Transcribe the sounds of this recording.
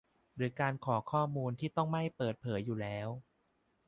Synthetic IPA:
ɾɯː˩˦kaː˧nkʰɔː˩˦kʰɔː˥˩muː˧nt̪ʰiː˥˩t̪ɔ˥˩ŋma˥˩jpɤː˨˩t̪̚pʰɤː˩˦jːuː˨˩lɛː˦˥w

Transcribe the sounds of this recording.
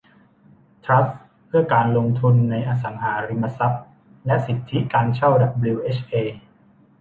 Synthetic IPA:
t̪ʰɾa˦˥p | pʰːɯ˥˩ɐkaː˧nlo˧ŋt̪ʰu˧nːa˧jʔaː˧s̬a˩˦ŋhaː˩˦ɾi˧ma˧sa˦˥p̚ | lɛ˦˥ʔsi˨˩t̪ʰːi˦˥kaː˧nt͡ɕʰa˥˩wda˨˩bli˧wʔeː˦˥t͡ɕʰʔeː˧

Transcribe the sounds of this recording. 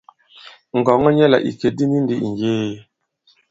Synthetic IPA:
ŋ˨ɡɔ˨˦ŋɔ˦ɲɛ˦la̰˨ʔḭ˨ke˨di˦ni˦ndi˦i˨ŋ˨ɡeː˦˨

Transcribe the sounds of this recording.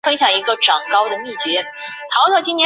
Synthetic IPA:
fə˥nt͡ɕʰjɑ˧˥ŋi˧˥ɡə˧ʈ͡ʂɑ˨˩ŋkɑ˥ʊd̪ə˨mi˥˩t͡ɕɥɛ˧˥ | t̪ʰɑ˧˥ʊt̪ʰɤ˥˩t͡ɕi˥njɛ˧˥

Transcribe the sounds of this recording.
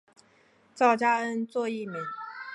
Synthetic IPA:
t͡sɑ˥˩ʊt͡ɕja˥ə˦˥nt͡swɔ˥˧i˥˩˨mi˨˩˦ŋ

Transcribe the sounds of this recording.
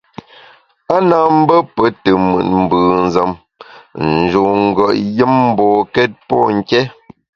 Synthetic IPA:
a˦na˨m̩˦bə˦pə˨˦tə˨mə̰˨t̚m̩˨bɯː˨n̩˨zə˨m | n̩˨d͡ʒo˨ŋ̩˦ɡə˨ʔjə˦mm̩˦bɔː˨kɛ˦t̚pɔ˦ŋ̩˨kɛ˦

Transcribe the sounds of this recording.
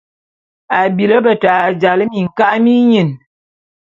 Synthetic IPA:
a˨bi˨lə˦bə˨ta˨d͡ʒa˨lə˦mi˨ŋ̩˨ka˦ʔmi˦ɲi˨n

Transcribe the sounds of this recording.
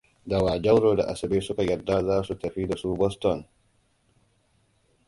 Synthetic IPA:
da˨waː˨d͡ʒɐ˦wɽoː˨da̰˨ʔa˨sɐ˨beː˦sʊ˦ka˨jɐ˨rdaː˦zaː˦su˨tɐ˨ɸiː˦da˨suː˦bɔ˦stɔ˨n

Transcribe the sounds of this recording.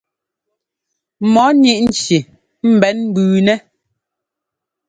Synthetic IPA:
mɔ˨˦ni˦ʔn̩˨t͡ʃi˨ | m̩˨bɛ˨˦nm̩˦bʉː˨nɛ˦

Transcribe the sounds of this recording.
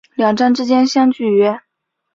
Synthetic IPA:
ljɑ˨˩ŋʈ͡ʂa˥˧nʈ͡ʂɻ̩˥t͡ɕjɛ˥nɕjɑ˥ŋt͡ɕy˥˩ɥɛ˥

